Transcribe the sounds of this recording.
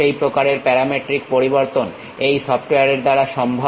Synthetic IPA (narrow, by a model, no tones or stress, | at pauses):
ejpɾokaɾeɾpɛɾameʈɾik̚poɾiboɾt̪on | ejsɔpʈejaɾeɾd̪aɾaʃɔmbʱo